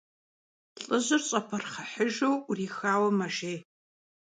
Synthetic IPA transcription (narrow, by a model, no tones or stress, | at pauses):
ɬʼɨʑɨrɕʼɐpʰɐrχɐħəʒowriːxaːwɐmɐʒeː